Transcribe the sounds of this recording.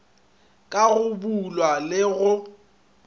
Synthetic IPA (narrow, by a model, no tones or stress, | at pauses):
kʼaɣʊbulwalɪɣʊ